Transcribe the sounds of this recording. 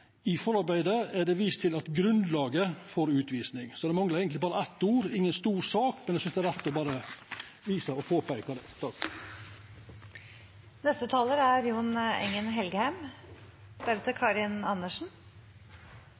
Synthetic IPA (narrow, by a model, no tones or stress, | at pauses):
ɪfɔɾɑɾbæɪd̪əæɖɛʋiːst̪ʰɪlɑt̪ɡɾʉnd̪lɑːɡəfoːɾʉːt̪ʋiːsnɪŋsɔd̪ɛmɑŋləɾæɪɡəɪbɑːɾəɛt̪ːuːɾɪŋːənst̪uːɾsɑːkmɛnæɛsʏnsd̪ɛæɾæt̪ːɔbɑːɾə | ʋiːsɑɔpʰoːpʰæɪkɑd̪ɛt̪ɑk | nɛst̪ət̪ʰɑːləɾæɾjuːnɛ̰ŋːənɦɛlɡəhæm | bæɾət̪əkʰɑːɾɪnɑnːəʂn̩